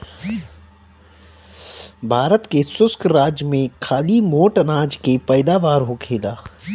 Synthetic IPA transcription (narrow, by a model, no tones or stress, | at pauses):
bʱaːɾət̪kesʊskʰɾaːd͡ʒjəmẽkʰaːlimoːʈənaːd͡ʒkepɛːɪd̪aːʋaːɾɦokʰeːlaː